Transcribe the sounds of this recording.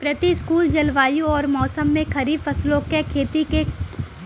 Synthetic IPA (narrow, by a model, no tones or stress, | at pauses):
pɾɐt̪iskuːld͡ʒɐlʋaːjũɔːɾmɔːsəmːẽkɐɾiːbfɐslõːkekʰeːt̪ike